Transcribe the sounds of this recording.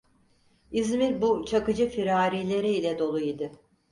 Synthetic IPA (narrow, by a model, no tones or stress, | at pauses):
izmiɾbut͡ʃʰakɯd͡ʒɯfiɾaːɾiːlʲe̞ɾiilʲɛd̪o̞lˠujid̪ɯ